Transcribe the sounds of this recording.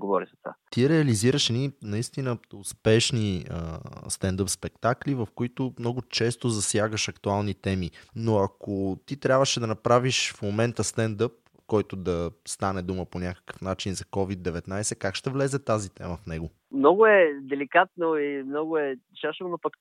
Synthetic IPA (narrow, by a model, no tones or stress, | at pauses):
ɡovɔɾizɐt̪va̰t̪iɾɛɐliziɾəʃɛninɐist̪inəʊspɛʃniə̰st̪ɛnd̪əpspɛkt̪aklivɐfkoit̪omnɔɡʊt͡ʃɛst̪ozɐsjaɡəʃɐkt̪ualˠnit̪ɛminoɐkot̪it̪ɾʲabvəʃɛd̪ɐnɐpɾaviʃfmomɛnt̪əst̪ɛnd̪ɤp̚ | kɔjt̪od̪ɐst̪anɛd̪uməponʲakə̥kə̥fnat͡ʃinzɐkɔvid̪ːɛvɛt̪najsɛkakʃt̪ɛvlɛzɛt̪azit̪ɛ̰məfnɛɡo | mnɔɡʊɛd̪ɛlikat̪̚noimnɔɡʊɛʃaʃəvonopək